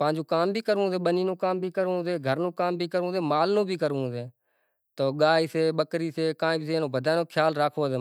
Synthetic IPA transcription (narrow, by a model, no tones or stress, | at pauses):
pãːɲd͡ʒoːkaːmbʱiːkəɾũːseːɓəniːnõːkaːmbʱiːkəɾũːseːɡʱəɾnõːkaːmbʱiːkəɾũːseːmaːlnõːbʱiːkəɾũːseː | t̪oːɠaːiːseːɓəkɾiːseːkãːĩːbʱiseːnõːbʱəd̪ʱaːnõːkʰjaːlɾaːkʰoːseː